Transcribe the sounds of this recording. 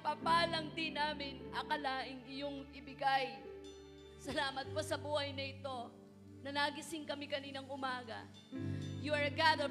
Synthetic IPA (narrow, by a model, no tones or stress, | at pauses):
papaːlɐŋd̪ɪnaːmɪnʔɐkɐlaːʔɪŋɪjoŋɪbɪɡaj | sɐlaːmɐt̪̚kosɐbuːhɐjnɐɪt̪o̞ | nɐnaːɡɪsɪŋkɐmɪkɐniːnɐŋʔʊmaːɡɐ̰ | juɐɹɡad̪ɐ